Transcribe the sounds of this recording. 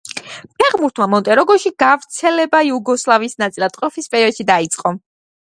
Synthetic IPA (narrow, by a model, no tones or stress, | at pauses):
pʰɛʁmuɾt̪ʰmamɔnt̪ʼɛɾɔɡɔʃiɡ̥avɾt̪sʰɛlɛbaiuɡɔslˠaviːsnat̪sʼilˠad̪qʼɔpʰispʼɛɾiɔd̪ʃid̪ait̪sʼqʼɔ